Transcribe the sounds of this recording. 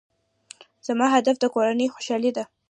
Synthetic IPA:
z̥amɑɦad̪afd̪əkoɾanəjxoʃɑlid̪a

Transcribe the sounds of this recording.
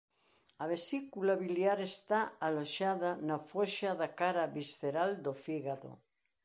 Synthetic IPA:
aβesikulaβiljaɾest̪aaloʃaðanafoʃaðakaɾaβisθeɾald̪ofiɣaðo̰

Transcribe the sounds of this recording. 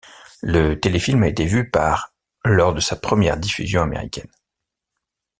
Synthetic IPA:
lət̪elefilmaet̪evypaʁ | lɔʁd̪əsapχəmjɛʁd̪ify̰zjɔ̃amḛʁḭkʲɛn

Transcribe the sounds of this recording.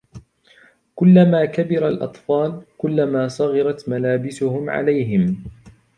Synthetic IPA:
kʊlːamaːkabɪɾalʔɑ̰t̪ˤfɑːlkʊlːamaːsˤɑɣɑɾˤɑt̪malaːbɪsʊhʊmʕa̰lajɦɪm

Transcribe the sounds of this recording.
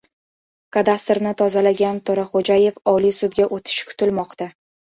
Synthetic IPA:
kad̪ast̪ɾnɪt̪ʰɒzalaɡʲant̪ʰɒɾaχod͡ʒaje̞fɒlijsʊd̪̚ɡʲaʔot̪ʰɪ̥ʃkʰʊ̥t̪ʰɪlmɒqt̪a

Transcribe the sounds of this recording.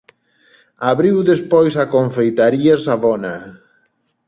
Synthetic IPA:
aβɾiwðespojsakoɱfejt̪aɾiasaβɔna

